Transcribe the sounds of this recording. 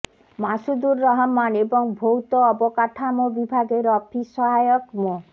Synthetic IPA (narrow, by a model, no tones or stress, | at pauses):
masud̪uɾːɔɦɔmːanebɔŋbʱowt̪ɔːbɔkaʈʰamɔbibʱaɡeɾɔpʰisɔɦajɔkmɔ